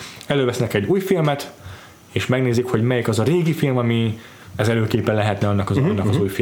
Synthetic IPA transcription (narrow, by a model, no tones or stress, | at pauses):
ɛløːvɛsnɛkɛɟːuːjfilmɛt̪ | eːʃmɛɡneːzikho̞ɟmɛjikɒzɒɾeːɡifilmɒmi | ɛzɛløːkeːpɛlːɛɦɛt̪nɛɒnːɒkɒzɒnːɒkɒzuːjfi